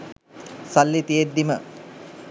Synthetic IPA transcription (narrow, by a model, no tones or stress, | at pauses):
salːit̪ijed̪ːimə